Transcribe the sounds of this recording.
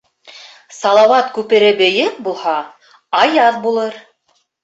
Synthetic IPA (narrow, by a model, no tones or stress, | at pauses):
sɑlˠɑwɑt̪kʉpɘ̆ɾɘbɘ̆jɘk̚bulˠhɑ | ɑjɑðbulˠɤɾ